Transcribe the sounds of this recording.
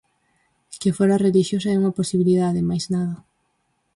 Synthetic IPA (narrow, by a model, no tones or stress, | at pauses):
kɪfoɾareliʃjosɐɛuŋɐposiβiliðaðɪmajznaðɐ